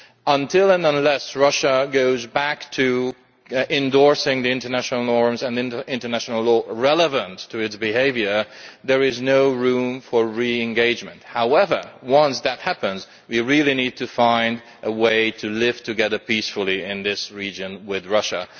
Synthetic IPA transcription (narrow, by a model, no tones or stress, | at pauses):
ə̃ntʰɪlˠə̃nə̃nlɛsɹʌʃəɡoʊzbæktʰɨ | ɪ̃ndɔɹsɪ̃ŋðiɪ̃ntə˞næʃnl̩ˠnɔɹmzɨ̃nð̃nɪ̃ntə˞næʃn̩l̩ˠlɔɹɛlˠəvə̃ntʰɨɨtsb̥ɨɦeɪvjə˞ðə˞ɪznoʊɹũɱfə˞ɹiɨ̃nɡeɪd͡ʒmɨ̃nt̚haʊɛvə˞wʌ̃nsðɨt̚hæpə̃nz | wiɹɪlˠinid̚tʰɨfãɪ̃nd | ʔəweɪɾʰɨlɪv̥tʰɨɡɛðə˞pisfl̩ˠiɪ̃nðɪsɹid͡ʒɨ̃nwɪðɹʌʃə̰